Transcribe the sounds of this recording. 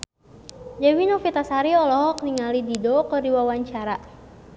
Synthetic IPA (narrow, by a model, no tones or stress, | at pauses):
d͡ʒawinofit̪asaɾiɔlɔɦɔkniŋalididɔkɔdiwawaɲt͡ʃaɾa